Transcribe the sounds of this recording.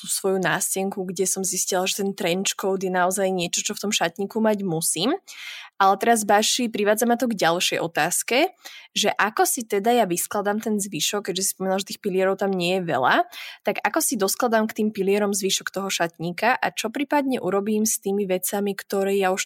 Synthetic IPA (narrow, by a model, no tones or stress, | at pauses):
t̪usʋɔjunaːscɛŋkuɡɟɛsɔmziscilaʒɛt̪ɛnt̪ɾɛnt͡ʃkɔʊd̪jɛnaɔzajɲɪɛt͡ʃɔt͡ʃɔft̪ɔmʃat̪ɲiːkumaɟmusiːmalɛt̪ɛɾazbaʃipɾiʋaːd͡zamat̪ɔɡɟalʃɛjʔɔ̰t̪aːskɛʒɛʔakɔsit̪ɛd̪ajaʋisklad̪amt̪ɛnzʋiʃɔkːɛɟʒɛsi̥spɔmiːnalʒɛt̪iːxpilɪɛɾɔʊt̪amɲɪɛjɛʋɛ̰la̰t̪aɡakɔsid̪ɔsklˠad̪amkt̪iːmpiliɪɛɾɔmzʋiːʃɔkt̪ɔɦɔʃat̪ɲiːkaʔa̰t͡ʃɔpɾiːpad̪ɲɛʔuɾɔbiːmst̪iːmiʋɛt͡samikt̪ɔɾɛːjauʃ